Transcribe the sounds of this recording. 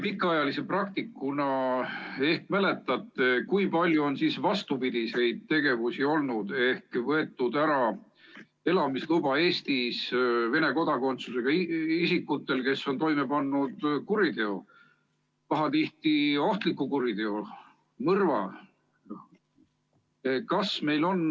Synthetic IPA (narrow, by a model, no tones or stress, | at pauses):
pikːˑɑɑjɑlise̞prɑk̚t̪ikːunɑ | e̞hkmæle̞t̪ːˑɑt̪ːˑekujpɑlʲjuo̞nsiːsvɑst̪upid̪̥ise̞jd̪̥̚t̪e̞ɡe̞vusio̞lnud̪̥e̞hkvɤe̞t̪ːˑud̪̥æɾɑ | e̞lɑmislubɑe̞ːst̪isve̞ne̞ko̞d̪̥ɑko̞nt̪suse̞ɡ̥ɑiisikːˑut̪ːˑe̞lke̞sːo̞nt̪o̞jmepɑnːud̪̥kuɾid̪̥e̞o̞ | pɑɦɑt̪iht̪io̞ht̪likːˑukuɾid̪̥e̞o | mɤrvɑ̰ | kɑsme̞jlo̞n